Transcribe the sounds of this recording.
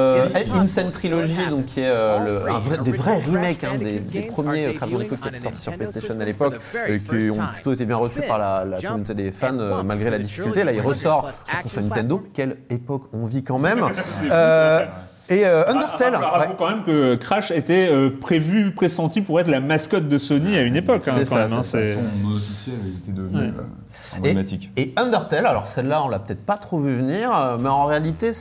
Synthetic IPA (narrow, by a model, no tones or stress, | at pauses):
ɛinsɛnt̪χilɔʒid̪ɔ̃kʲʰːiɛøləɛ̰̃vʁɛd̪evʁɛʁimɛkɛ̃d̪ed̪epχəmjeøkχaʒmɑ̃d̪ekod̪kʲiet̪ɛ̥sɔʁt̪i̥syʁplɛst̪eʃɔnalepɔkekʲʰiɔ̃plyt̪oet̪ebjɛ̃ʁəsypaʁlalakɔmynot̪ed̪efanømalɡʁelad̪ifi̥kʲylt̪elailʁəsɔʁsɔ̃ʁkɔ̃swanint̪ɛ̃nd̪okʲɛlepɔkɔ̃vikɑ̃mɛmø | eøɛ̃nd̪ɛʁt̪ɛlawɛkɑ̃mɛmkəkχaʃet̪ɛøpχevypχesɑ̃t̪ipuʁɛt̪χlamaskɔt̪̚d̪əsɔniaynepɔkːɑ̃sɛsːɑ̃aɛsmɛ̃sɛ̃fisjevezit̪ed̪əvnɛ̰ | b̪emat̪ikʲeɔ̃nd̪əʁt̪ɛlalɔʁsɛlːaɔ̃lapø̥t̪ɛt̪χpat̪χovyvəniːʁømɛɑ̃ʁealit̪e